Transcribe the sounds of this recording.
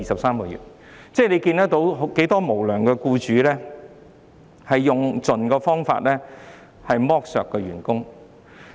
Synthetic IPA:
iː˨sɐ˨p̚saː˥mkɔː˧jy̰ː˨˩t̚ | t͡sɛː˥le˨˧jkiː˧nt̪ɐ˥k̚t̪o˨˥wɦke˨˥jt̪ɔː˥mo˨˩wlœː˨˩ŋkɛː˧kuː˧t͡ʃyː˨˧lɛː˥ | hɐ˨jːʊ˨ŋt͡sɵ˨nkɔː˧fɔː˥ŋfa̰ː˧t̚lɛː˥ | hɐ˨jmɔː˥k̚sœ̰ː˨kːɛ˧ɥy̰ː˨˩nkʊ˥ŋ

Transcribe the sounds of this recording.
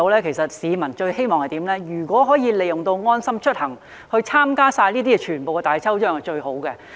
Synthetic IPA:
o˧wlɛː˥kʰe˨˩jsɐ˨t̚siː˨˧mɐ˨˩nt͡ʃɵ˧ɥhe˥jmɔː˨ŋhɐ˨jt̪iː˨˥mlɛː˥jyː˨˩kʷɔː˨˥ɦɔː˨˥jiː˨˧le˨˧jʊ˨ŋt̪o˧wŋɔː˥nsɐ˥mt͡ʃʰɵ˥t̚hɐ˨˩ŋ | hɵ˧ɥt͡sʰaː˥mkaː˥saː˧jliː˥t̪̬iː˥ɛ˧t͡ʃʰyː˨˩npo˨wkɛ˧t̪aː˨jt͡sʰɐ˥wt͡ʃœː˥ŋhɐ˨jt͡ʃɵ˧ɥho˨˥wkɛ˧

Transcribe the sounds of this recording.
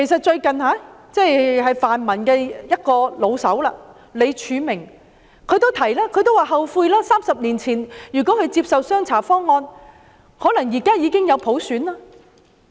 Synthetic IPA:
kʰe˨˩js̬ɐ˨t̚t͡ʃɵ˧ɥkɐ˨nhaː˨˧˥t͡sɛ˥˩jɦɐ˨jfaː˨nmɐ˨˩nkɛː˧jɐ˥t̚kɔː˧lo˨˧wsɐ˨˥wla̰ː˧ | le˨˧jt͡ʃʰyː˨˧mɪ˨˩ŋ | kʰɵ˨˧ɥt̪o˥wt̪ʰɐ˨˩jlaː˥kʰɵ˨˧ɥt̪̬o˥waː˨ɦɐ˨wfuː˧jlaː˥saː˥msɐ˨p̚niː˨˩nt͡sʰiː˨˩njyː˨˩kʷɔː˨˥kʰɵ˨˧t͡siː˧˥p̚sɐ˨˧wsœː˥ŋt͡sʰaː˨˩fɔː˥ŋːɔː˧n | hɔː˨˥lɐ˨˩ŋjiː˨˩kaː˥jiː˨˧kɪ˥ŋjɐ˨˧wpʰo˨˥wsyː˨˥nlaː˥

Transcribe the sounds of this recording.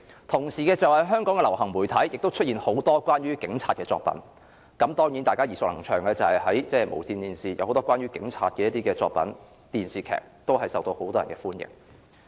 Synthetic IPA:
t̪ʰʊ˨˩ŋsiː˨˩kɛː˧t͡sɐ˨whɐ˨jɦœː˥ŋkɔː˨˥ŋkɛ˧lɐ˨˩whɐ˨˩ŋmuː˨˩jt̪ʰɐ˨˥jjɪ˨k̚t̪o˥wt͡ʃʰɵ˥t̚iː˨˩nho˨˥wt̪ɔː˥kʷaː˥nɥyː˥kɪ˨˥ŋt͡sʰaː˧t̚kɛː˧t͡sɔ̰ː˧k̚pɐ̰˨˥n | kɐ˨˥mt̪ɔː˥ŋjiː˨˥nt̪aː˨jkaː˥jiː˨˩sʊ˨k̚lɐ˨˩ŋt͡ʃʰœː˨˩ŋlɛː˧t͡sɐ˨hɐ˨jɦɐ˨˥jt͡sɛː˥˩mo̰˨˩wsiː˧nt̪iː˨˩nsiː˨jɐ̰˨˧who˨˧wt̪ɔː˥kwaː˥nɥyː˥kɪ̰˨˥ŋt͡sʰa̰ː˧t̚kɛː˧jɐ˥t̪iː˥kɛː˧t͡sɔ̰ː˧k̚pɐ̰˨˥n | t̪iː˨nsiː˨kʰɛ̰ː˨˩k̚t̪o˥whɐ˨jsɐ˨wt̪o˧who˨˥wt̪ɔː˥jɐ˨˩nkɛː˧fuː˥njɪ̰˨˩ŋ

